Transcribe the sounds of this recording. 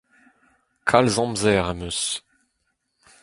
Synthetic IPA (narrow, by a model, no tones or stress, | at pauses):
kʰalzɑ̃mzɛʁamøs